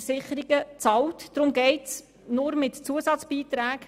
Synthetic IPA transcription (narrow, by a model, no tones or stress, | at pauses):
sɪχəɾiɡət͡sɑltd̥ɾʊmɡɛɪts | nʊɾmɪtt͡suəsɑt͡sb̥iːt̪ɾæːɡ